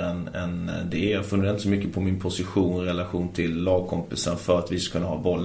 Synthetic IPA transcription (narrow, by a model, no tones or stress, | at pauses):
ɛnɛ̰nd̪ɛjafɵnːɾant̪əsɔmʏkːəpʰɔmɪnpʰʊsɪɧuːnɪɾɛlaɧuːnt̪ʰɪlːɑːɡ̚kʰɔmpɪsanfœɾat̪vɪskḁkʰɵnːahɑːbɔlː